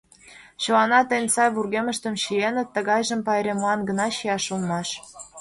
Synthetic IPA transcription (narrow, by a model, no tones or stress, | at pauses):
ɕŏwɑnɑt̪enʲsɑjβurɣemə̆ʃt̪ə̆mɕijenə̆t̪ːə̆ɣɑjʒə̆mpɑɾʲemɑnɡə̆nɑɕiɑʃulˠmɑʃ